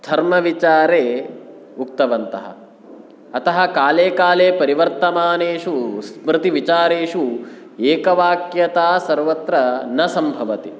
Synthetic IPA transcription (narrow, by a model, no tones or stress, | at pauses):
d̪ʱɐɾmɐʋit͡ʃaːɾeː | uk̚t̪ɐʋɐnt̪ɐɦɐ̰ | ɐt̪ɐɦɐ̆kaːleːkaːleːpɐɾiʋɐɾt̪ɐmaːneːʂusmɾɪt̪iʋit͡ʃaːɾeːʂu | eːkɐʋaːkjɐt̪aːsɐɾʋɐt̪ɾɐnɐsɐmbʱɐʋɐt̪i